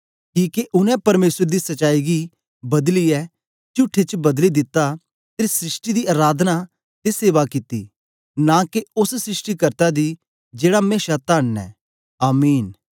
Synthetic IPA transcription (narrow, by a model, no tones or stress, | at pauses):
kiːkeʔʊnɛ̃pɐɾmeːsəɾd̪isɐt͡ʃaːiɡi | bɐd̪liɛ | t͡ʃʊʈʰːet͡ʃbɐd̪lid̪ɪt̪ːa | t̪esɾɪsʈid̪iaːɾaːd̪ʱna | t̪eseːʋakɪt̪ḭː | nakeʊssɾɪsʈikɐɾt̪ad̪i | d͡ʒeːɽameːʃat̪aːɳːɛ̰ː | aːmiːn